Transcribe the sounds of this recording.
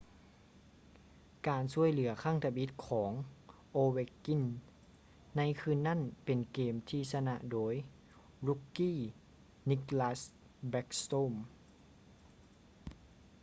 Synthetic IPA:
kaː˨˩nsu˧˥˧əjlɯ˩˦ɐkʰaː˥˨ŋt̪ʰa˧bi˧˦˥t̪̚kʰɔː˩˦ŋ | ʔoː˧we˧kːi˧˥˨nː | a˧˥˨jkʰɯː˧˥˨nːa˥˨npe˨˩nkeː˨mt̪ʰiː˧sa˧na˧ʔdoː˨˦j | ɾu˧˥kːiː˥˩˨ | ni˧˥klaː˧˥s | bɛ˧˦˥k̚st̪oː˥˨m

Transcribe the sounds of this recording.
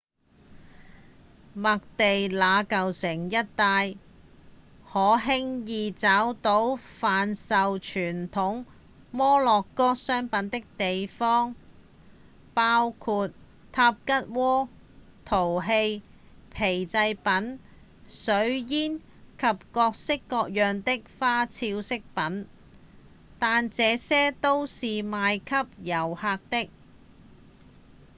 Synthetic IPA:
mɐ˨k̚t̪e˨jlaː˨˧kɐ˨wsɪ˨˩ŋjɐ˥t̚t̪aː˧j | hɔː˨˥ɦɪ˥ŋjiː˨t͡saː˨˥wt̪o˨˥wfaː˨nsɐ˨wt͡ʃʰyː˨˩nt̪ʰʊ˨˥ŋ | mɔː˥lɔː˨kːɔː˥sœː˥ŋpɐ˨˧˥nt̪ɪ˥k̚t̪e˨jfɔː˥ŋ | paː˥wkʰuː˧t̪̚ | t̪ʰaː˧p̚kɐ˥t̚wɔː˥ | t̪ʰo˨˩wɦe˧j | pʰe˨˩jt͡sɐ˧jpɐ˨˥n | sɵ˨˥ɥjiː˥n | kʰɐ˨p̚kɔː˧k̚sɪ˥kːɔː˧k̚jœː˨ŋt̪ɪ˥k̚faː˥t͡sʰiː˧wsɪ˥k̚pɐ˨˥n | t̪aː˨nt͡sɛː˨˧sɛː˥t̪o˥wsiː˨maː˨˧jkʰɐ˥p̚jɐ˨˩whaː˧k̚t̪ɪ˥k̚

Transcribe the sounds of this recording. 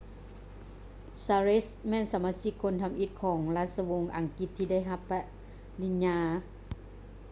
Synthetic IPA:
saː˧ɾe˦˥smɛː˧˥˨nsa˩˦maː˧si˧˥kʰːo˧˥˨nt̪ʰa˧mʔi˧t̪̚kʰɔː˩˦ŋla˧˩t̪̚sa˧wo˧ŋʔa˨˩˦ŋki˧t̪ʰːiː˧da˥˩˨jɦa˧pːɛ˧ʔ | li˧˥nɲaː˧

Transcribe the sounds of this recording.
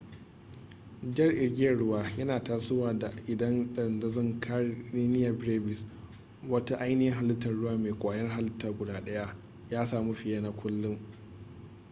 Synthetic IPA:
d͡ʒɐ˦rʔɪ˨ɾɡʲɪ˦ɐ˨ɽʊ˦waː˦jɐ˦naː˨taː˦sʊ˦waː˨da˨ʔɪ˨dɐ˦nɗɐ˦˨ndɐ˦zɐ˦ŋkʰa˦neː˦nɪ˦ja˨bɽeː˦bɪ˨s | wɐ˦ta˦ʔa˦jnɪ˦jɪ˦ŋɦa˨lɪ˦tːɐ˨rːʊ˦waː˦meː˨kʷʼaː˨jɐ˦rɦa˦lɪ˦tːaː˨ɡʷʊ˨daː˦ɗɐ˦ja˦ | jaː˦saː˨mu˦ɸɪ˨jaː˦na˦kʷʰʊ˦lːʊ˦ŋ

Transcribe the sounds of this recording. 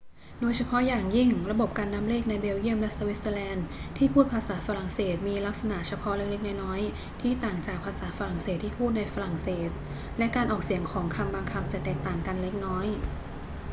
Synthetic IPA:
doː˧jt͡ɕʰa˧pʰɔ˦˥ʔjaː˨˩ŋji˥˩ŋɾa˧bo˨˩p̚kaː˧nːa˦˥mleː˥˩k̚na˧jbeː˧wji˥˩əmlɛ˦˥sa˧wi˦˥səː˧lɛː˧nt̪ʰiː˥˩pʰuː˥˩t̪̚pʰaː˧saː˩˦fa˧ɾa˨˩ŋseː˨˩t̪̚miː˧la˦˥k̚sa˧na˨˩ʔt͡ɕʰa˧pʰɔ˦˥ʔle˦˥k̚le˦˥k̚nɔ˦˥jnɔː˦˥j | t̪ʰiː˥˩t̪aː˨˩ŋt͡ɕaː˨˩k̚pʰaː˧saː˩˦fa˧ɾa˨˩ŋseː˨˩t̪ʰːiː˥˩pʰuː˥˩t̪̚na˧jfa˧ɾa˨˩ŋseː˨˩t̪̚ | lɛ˦˥ʔkaː˧nʔɔː˨˩k̚si˨˩˦əŋkʰɔː˩˦ŋkʰa˧mbaː˧ŋkʰa˧˥p̚t͡ɕa˨˩t̪ɛː˨˩k̚t̪aː˨˩ŋka˧nle˦˥k̚nɔː˦˥j

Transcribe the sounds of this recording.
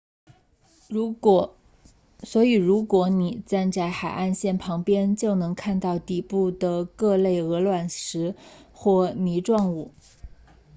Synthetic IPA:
swɔ˧˥i˨˩ɻu˧˥kwɔ˧˥ni˨˩t͡sa˥˧nt͡sa˥˩ɪxa˨˩ɪʔa˥˧nɕjɛ˥˩npʰɑ˧˥ŋpjɛ˥nt͡ɕjo˥˩ʊnɤ˧˥ŋkʰa˥˧nt̪ɑ˥˧ʊt̪i˥˩pu˥˩d̪ə˩kɤ˥˧le˥˩ɪɤ˧˥lwa˨˩nʂɻ̩˧˥xwɔ˥˩ni˧˥ʈ͡ʂwɑ˥˧ŋu˥˩

